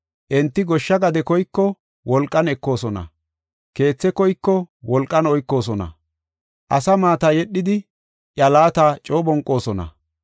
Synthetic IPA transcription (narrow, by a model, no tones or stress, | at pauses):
ʔɛnt̪ːɪɡɔʃːɐɡɐd̪ɛkɔjkːɔ | wɔlkʼːɐnɛkːo̞ːsɔnɐ̰ | ke̞ːt͡sːɛkɔjkːɔwɔlkʼːɐnɔjkːo̞ːs̬ɔnɐ̰ | ʔɐsɐmaːt̪ɐjɛɗːɪd̪ɪ | ʔjɐlaːt̪aːt͡ʃʼoːbɔŋkʼːo̞ːsɔnɐ̰